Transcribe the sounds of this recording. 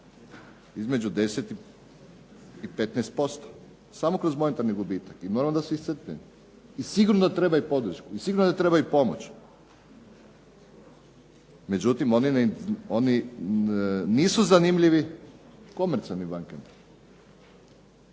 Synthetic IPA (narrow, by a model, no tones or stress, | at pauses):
izme̞d͡ʑud̪e̞set̪i | ipet̪nɛst̪̚po̞st̪o̥ | samokɾo̞zmo̞ne̞t̪aɾniɡubiːt̪akimo̞ɾaʋnd̪aseisɾt̪nʲɛ̰m | isiɡuɾnod̪at̪ɾe̞baupo̞d̪ɾ̩ʃkuisiɡuɾnod̪at̪ɾe̞bajupo̞mo̰t͡ɕ | me̞d͡ʑut̪imo̞nino̞ni | niːsuzanimʎiʋi | ko̞meɾt̪sialnibaŋkam